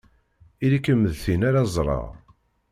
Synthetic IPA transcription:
ilikːəməðθinaɾazˤɾˤɑ̰ʁ

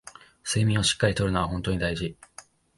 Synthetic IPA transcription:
se̞ːmʲĩo̞ɕi̥kːaɾʲit̪o̞ɾɯ̟noβaɦõ̞nt̪o̞ɲ̟id̪aiʑi

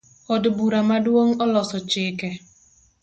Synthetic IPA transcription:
ɔdbuɾamadwoŋɔlɔsɔt͡ʃɪːkɛ

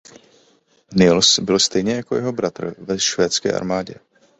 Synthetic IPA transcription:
nɪlsbɪlst̪ɛjɲɛjako̞jɛɦo̞bɾat̪ɾ̩vɛʃvɛːt͡skɛ̰ːʔa̰ɾmaːɟɛ

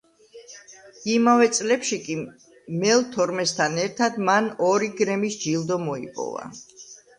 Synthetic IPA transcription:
imavɛt̪sʼlɛpʃikʼi | mɛlˠt̪ʰɔɾmɛst̪ʰanɛɾt̪ʰad̪manɔɾiɡɾɛmisd͡ʒilˠd̪ɔmɔḭpʼɔ̰va̰

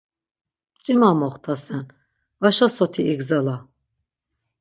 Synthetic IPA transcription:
t͡ʃʼimamɔχt̪ʰasɛn | vaʃasɔt̪ʰiiɡzala

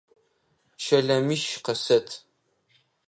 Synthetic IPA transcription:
ʃɐɮɐmiʃqɐsɐtʰ

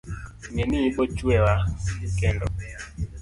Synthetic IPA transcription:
ŋeniibɔt͡ʃwɛwakɛndɔ̰

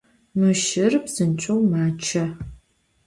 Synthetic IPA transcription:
mɨʃɪrbz̥ɨnt͡ʃʷʼowmaːt͡ʃʰɐ

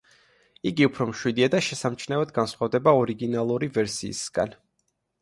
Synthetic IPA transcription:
iɡiupʰɾɔmʃwid̪iad̪aʃɛsamt͡ʃʰnavɛd̪ɡansχavd̪ɛbaɔɾiɡinalˠuɾivɛɾsḭːsɡ̥a̰n

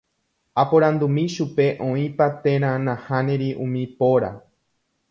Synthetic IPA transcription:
apoɾãnd̪umĩʃupe̞ʔõĩpat̪ẽ̞ɾ̃ãnãhãnẽɾiʔũmĩpoɾa̰

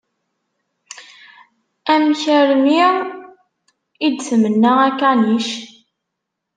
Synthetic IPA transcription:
æmçəɾmiʁ | id̪səmənːəʁækːæniʃ

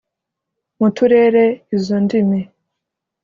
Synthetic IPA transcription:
mutuɾe̞ːɾe̞izondimi

